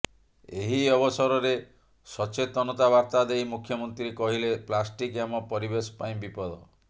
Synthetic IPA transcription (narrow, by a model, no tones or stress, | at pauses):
eɦiɔbɔsɔɾɔɾe | sɔt͡ʃet̪ɔnɔt̪abaɾt̪ad̪ejmukʰːjɔmɔnt̪ɾikɔɦileplasʈikamɔpɔɾibesɔ̥paĩbipɔd̪ʱɔ